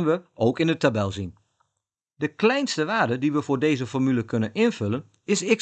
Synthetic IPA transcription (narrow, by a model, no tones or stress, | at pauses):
nʋəʔowkɪnətabɛlˠzin | dəklɛjnstəʋaːɹdədiʋəvʊːɹdejzəfɔrmyləkɵnənɪnv̥ɵlən | ɪsɪk